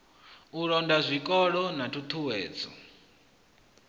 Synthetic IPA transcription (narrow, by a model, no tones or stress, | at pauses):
uɺɔndazʷikʼɔɺɔnatʰutʰuwɛːd͡zɔ̰